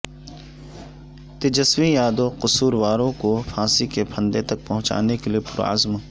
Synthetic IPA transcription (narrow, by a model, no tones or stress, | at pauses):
t̪ɪd͡ʒɐswijaːd̪oqʊsuːɾʋaːɾõkofʰãːsikepʰɐ̃nd̪et̪ɐk̚pɐɦʊ̃t͡ʃa̰ːnekeliepʊɾa̰zm